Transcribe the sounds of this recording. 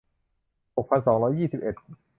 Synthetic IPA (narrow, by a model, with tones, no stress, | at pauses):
ho˨˩k̚pʰa˧nsɔː˩˦ŋɾɔː˦˥jːiː˥˩si˨˩pʔe˨˩t̪̚